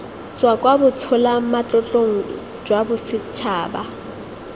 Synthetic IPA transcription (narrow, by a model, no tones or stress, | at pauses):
t͡sʼwakʼwabʊt͡sʰʊlamat͡ɬʼɔt͡ɬʼoŋ̩ | d͡ʒwabʊsɪt͡ʃʰaːba